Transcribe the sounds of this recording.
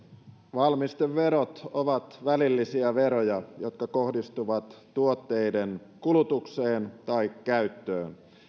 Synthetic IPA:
ʋɑlmist̪eʋʋe̞ɾo̞t̪oʋɑt̪ʋælilːisiæʋe̞ɾo̞jɑjo̞t̪̚kɑkohdist̪uʋɑt̪ːuo̞t̪ːe̞jdenkulut̪ukseːnt̪ɑikːæyt̪ːøːn

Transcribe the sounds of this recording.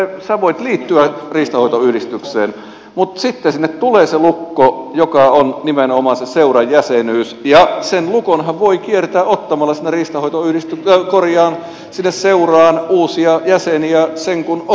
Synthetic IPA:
esæʋoit̪liːt̪ːyæriːst̪ɑhoit̪oyhɾist̪ykseːn | mut̪sit̪ːesinːet̪t̪uleːselukːojokɑonnimenomɑseseurɑjjæsenyːsjɑsenlukonhæʋʋoikiert̪æːʔot̪ːɑmɑlːɑsinːeriːst̪ɑhoit̪oyhlist̪ykkorjɑːn | sinːesseurɑːnuːsiɑjæseniæseŋkun

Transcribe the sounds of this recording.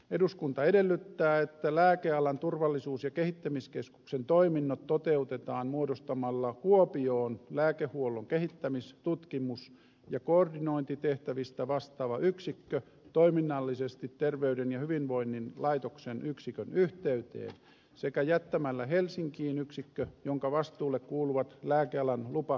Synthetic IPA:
eduskunt̪ɑedelːyt̪ːæːet̪ːælæːkeɑlɑnt̪urʋɑlːisuːsjɑkehit̪ːæmiskesku̥ksent̪oiminːot̪tot̪eut̪et̪ɑːnmuodost̪ɑmɑlːɑkuopioːnlæːkehuolːˑoŋkehit̪ːæmist̪ut̪kimus | jɑkoordinoint̪it̪eht̪æʋist̪æʋɑst̪ɑʋɑʔyksikːø | t̪oiminːɑlːisest̪it̪tːerʋeydenjɑhyʋinʋoinːinlɑit̪oksenʔyksikønyht̪eyt̪ḛːn | sekæjæt̪ːæmælːæhelsiŋkiːnyksikːøjoŋkɑʋɑst̪uːlːekkuːluʋɑt̪læːkeɑlænlupɑ

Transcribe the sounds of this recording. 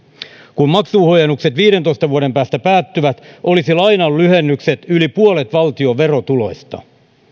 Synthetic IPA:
kummɑksuːhojenːukset̪ʋiːɾe̞nt̪o̞jst̪ɑʋuoɾe̞mpæːst̪æpæːt̪ːyʋæt̪ʔo̞lisilɑjnɑllyhe̞nːykse̞t̪ylipuolet̪ʋɑlt̪io̞ʋe̞ro̞t̪ulo̞̰st̪ɑ̰

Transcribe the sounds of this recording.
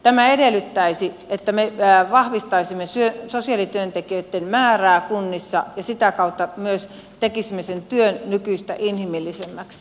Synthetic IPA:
t̪æmæedelːˑyt̪ːæisi | et̪ːæmeʋɑhʋist̪ɑisimːesyøsosiɑlit̪yønt̪ekiøt̪ːenmæːræːkunːisːɑjɑsit̪ækɑut̪ːɑmyøs | t̪ekisimːesent̪yønnykyist̪æ̰ʔinhimilːisemːæks

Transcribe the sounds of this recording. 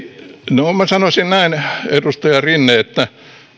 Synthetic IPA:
nomæsɑnosinnæinedust̪ojɑrinːeːet̪ːæ

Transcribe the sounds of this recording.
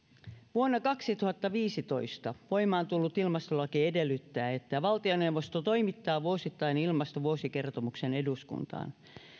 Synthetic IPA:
ʋuonːɑkɑksit̪uhɑt̪ːɑʋiːsit̪o̞̰ist̪ɑʋo̞imɑːnt̪ulːut̪ilmɑst̪olɑkiedelːyt̪ːæːet̪ːæʋɑlt̪ionewʋːost̪ot̪o̞imit̪ːɑːʋuosit̪ːɑinilmɑst̪oʋuosike̞rt̪omuksene̞duskṵnt̪ɑ̰ːn

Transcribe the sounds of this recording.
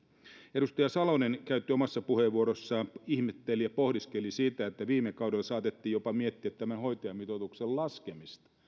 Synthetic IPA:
eɾust̪ɑjɑsɑlonenkæyt̪ːˑiomɑsːɑpuheʋʋuoɾosːɑːmihmet̪ːelijɑpo̞hdiskelisit̪æet̪ːæʋiːmekɑwdelsɑːt̪et̪ːiːjopɑmiet̪ːiæt̪ːæmænho̞jt̪ojɑmit̪ot̪uksellɑskemist̪ɑ̥

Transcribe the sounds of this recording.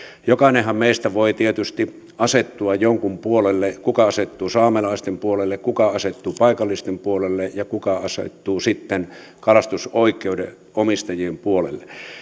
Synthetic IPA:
jokɑˑinehˑɑmmeist̪æʋoit̪iet̪yst̪i | ɑset̪ːuɑjjoŋkumpuolelːekukɑɑset̪ːuːsɑːmelɑˑist̪empuolelːekkukɑɑset̪ːuːpɑikɑlːˑist̪empuolelːejɑkukɑɑsḛt̪ːuːsit̪ːen | kɑlɑst̪usoikːˑeude | ʔomist̪ɑjiempuolḛlːe

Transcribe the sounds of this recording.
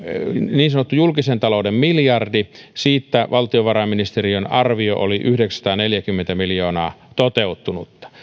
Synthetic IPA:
niːnsɑnot̪ːujulkisent̪ɑloudemmiljɑrdisiːt̪ːæʋʔɑlt̪ioʋɑrɑminist̪eriønɑrʋio̰ʔo̰liʔyhdeksst̪ɑːneljækymːent̪æmiljoːnɑːt̪ot̪eut̪ːunut̪ːɑ̥

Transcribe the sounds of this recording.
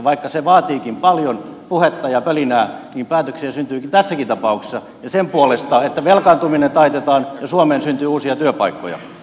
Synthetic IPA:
ʋɑikːɑseʋɑːt̪iːkimpɑljonpuhet̪ːɑjɑpølinæːniːmpæːt̪øksiæsynt̪yːkint̪æsːækint̪ɑpɑukse̥sːɑ | jɑsempuolest̪ɑet̪ːæʋelkɑnt̪uminent̪ɑit̪et̪ɑːnjɑsuomeːnsynt̪yːuːsiɑt̪yøpɑikːo̰jɑ̰

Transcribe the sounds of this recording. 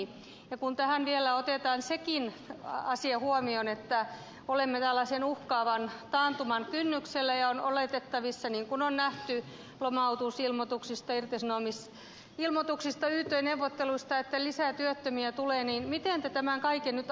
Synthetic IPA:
jɑkunt̪æhænʋielːæot̪et̪ɑːnsekin | ɑsiɑhuomionet̪ːæ | olemːet̪ælːɑsenuhkɑːʋɑnt̪ɑːnt̪umɑnkynːykselːæjɑonʔoleˑt̪et̪ːɑʋisːɑniŋkunonnæht̪y | lomɑut̪usilmot̪uksist̪ɑirt̪esnoːmis | ilmot̪uksist̪ɑyht̪ːˑøineuwʋːot̪ːeluist̪ɑet̪ːælisæˑt̪yøt̪ːømiæt̪uleːniːnmit̪eˑnt̪æt̪æmæŋkɑikennyt̪

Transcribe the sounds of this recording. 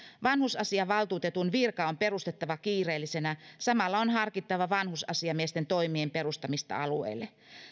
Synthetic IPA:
ʋɑnhusɑsiɑʋɑlt̪uːt̪e̞t̪unʋirkɑo̞mpe̞rust̪e̞t̪ːɑʋɑkiːre̞ːlːisenæsɑmɑlːɑonɦɑrkit̪ːɑʋɑʋɑnhusɑsiɑmiest̪ent̪o̞jmiempe̞ɾust̪ɑmist̪ɑ̰ɑluḛjlːe

